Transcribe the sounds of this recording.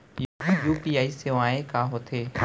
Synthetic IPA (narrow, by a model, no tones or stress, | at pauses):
jijuːpiːaːiːseʋaːẽkãːɦot̪ʰeː